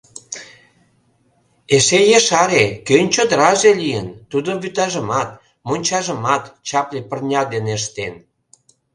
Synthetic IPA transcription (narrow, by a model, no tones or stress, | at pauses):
eʃejeʃɑɾekønʲt͡ɕod̪əɾɑʒelijənt̪ud̪oβyt̪ɑʒəmɑt̪̚ | monʲt͡ɕɑʒə̆mɑt̪t͡ɕɑplʲepərnʲɑd̪eneʃ̬t̪en